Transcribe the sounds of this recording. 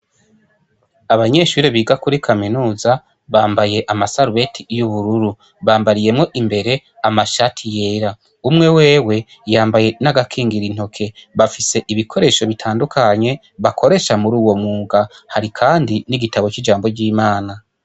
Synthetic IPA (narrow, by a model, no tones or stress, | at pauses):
aβaɲe̞ʃuɾeβiːɡakuɾikʰaminuːza | βaːmbaje̞ʔamasaɾuβe̞tʰijuβuɾuɾu | βaːmbaɾije̞mŋo̞ʔimbe̞ɾe̞ | amaʃatʰije̞ːɾa | umŋe̞we̞ːwe̞ | jaːmbaje̞naɡakʰiːŋɡiɾin̥ho̞kʰe̞βafise̞ʔiβikʰo̞ɾe̞ʃo̞βitʰaːndukʰaɲe̞ | βakʰo̞ɾe̞ʃamuɾuːwo̞mŋuːɡahaɾikʰaːndiniɡitaβo̞t͡ʃid͡ʒaːmbo̞ɟiːmaːna